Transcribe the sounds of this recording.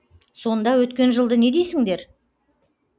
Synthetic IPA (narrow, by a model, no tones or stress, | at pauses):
so̞nd̪ɑwɵt̪kʲe̞nʒəlˠd̪əne̞d̪ejsɪŋd̪e̞ɾ